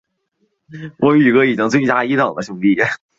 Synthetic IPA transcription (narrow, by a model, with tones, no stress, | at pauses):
wʔɔ˧˥y˨˩kɤ˥i˨˩t͡ɕi˥ŋt͡swe˥˩ɪt͡ɕja˥i˧˥t̪ɑ˨˩ŋd̪ə˦ɕʊ˥˩˧ŋt̪i˥˩